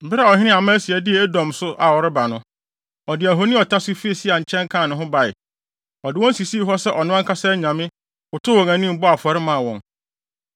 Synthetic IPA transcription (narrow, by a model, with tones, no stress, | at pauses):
m̩˨bɪ˦ɾa˨ɔ˨ɦɪ̃˦nɪ̃˦a˨mã˦si˨ɛ˨dɪ˦e˨e˦dɔ̃˨msʊ˦ʔa˨wɔ˨ɾɪ˦ba˨nʊ̃˦ | ɔ˨dɪ˨æ˨ɦo˦nɪ̃˦ɔ˨tʰa˦sʊ˦fi˦e˨si˦a˨ɲ̩˨t͡ɕʰɛ̃˦ŋ˦kʰã˦˨nʊ̃˨ɦʊ̃˦ba˨ɪ̰˨ | ɔ˨dɪ˨wɔ̃˦n˦si˨siː˦ɦɔ˦sɛ˦ʔɔ˨nʊ̃˦ã˦ŋkʰa˦sɛ˦ɲã˨mɪ̃˦ | ʊ˨tʰʊ˦wɔ̃˨ŋæ̃˨nĩ˦m̩˨bɔ˦a˨fɔ˨ɾɪ˦mã˦˨wɔ̃˨ŋ